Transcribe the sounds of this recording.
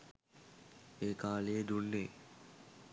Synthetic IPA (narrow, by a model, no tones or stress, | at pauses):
eːkaːled̪unːeː